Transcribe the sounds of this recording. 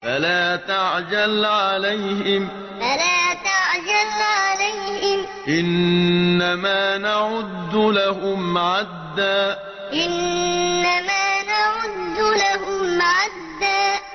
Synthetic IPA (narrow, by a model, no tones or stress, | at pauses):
falaːt̪aʕd͡ʒalʕalajhɪm | falaːt̪aʕd͡ʒalʕalajhɪm | ʔɪnː | amaːnaʕʊd̪ːʊlaɦʊmʕad̪ːaː | ʔɪnː | amaːnaʕʊd̪ːʊlaɦʊmʕad̪ːaː